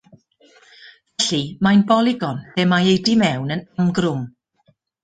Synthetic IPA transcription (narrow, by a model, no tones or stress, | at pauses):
vɛɬimajnbɔlˠɪɡɔnθɛmajejdimɛwnənamɡrʊm